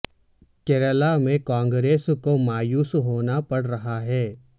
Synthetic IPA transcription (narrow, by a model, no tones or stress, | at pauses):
kɛɾəlamẽkãːŋɡɾeːskomaːjuːsɦoːnapɐɽɾɐɦaɦɛː